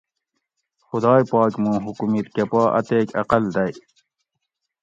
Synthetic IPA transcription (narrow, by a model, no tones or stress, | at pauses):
xʊd̪ɑːjpɑːkmũːɦukumit̪kɐpɑːʔɐ̰t̪eːkɐ̰qɐld̪ɐj